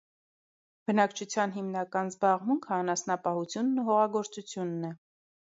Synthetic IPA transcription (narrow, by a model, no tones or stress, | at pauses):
b̥ənɑkt͡ʃʰut͡sʰjɑnɦimnɑkɑnzbɑʁmuŋkʰəɑnɑsnɑpɑhut͡sʰjunːuɦɔʁɑɡɔɾt͡sut͡sʰjunːɛ